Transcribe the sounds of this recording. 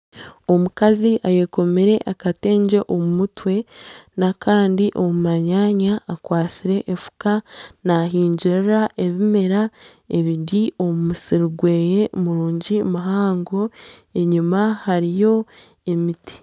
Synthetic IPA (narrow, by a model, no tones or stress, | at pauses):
o̞mukaziʔaje̞ko̞meɾe̞ʔakate̞ːɲɟe̞ʔomumutwe̞nakaːndiʔo̞mumaɲaːɲaːkwaːt͡siɾe̞ʔːfu̥kanaɦiːɲɟiɾɾaʔe̞βime̞ɾa | e̞βidio̞mumusiɾuɡwe̞ːje̞muɾuːɲɟimaɦaːŋɡo̞e̞ɲumahaɾijo̞ | emiti̥